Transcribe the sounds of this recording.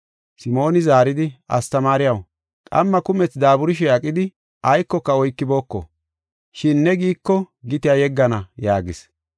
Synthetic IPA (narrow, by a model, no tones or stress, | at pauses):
sɪmo̞ːnɪzaːɾɪd̪ɪɐ̰st̪ɐmaːɾɪjɐw | kʼɐ̰mːɐkʊmɛt͡sd̪aːbʊɾɪʃ̬ɛɐkʼːɪd̪ɪ | ʔɐjkːɔkːɐɔjkːɪbo̞ːkːɔ̰ | ʃɪnːɛɡiːkːɔɡɪt̪ɪjajɛɡːɐnɐjaːɡɪs